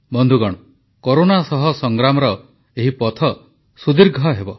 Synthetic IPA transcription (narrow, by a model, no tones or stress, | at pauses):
bɔnd̪ʱuɡɔɽ̃ɔ | koɾonasɔɦɔsɔŋɡɾamɔɾɔ | eɦipɔt̪ʰɔ | sud̪iɾɡʱɔɦebɔ